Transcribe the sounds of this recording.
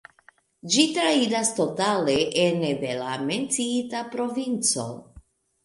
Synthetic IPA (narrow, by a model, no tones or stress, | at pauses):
d͡ʒitɾaidasto̞tale̞ʔenedelame̞nt͡siitapɾo̞vint͡so̞̰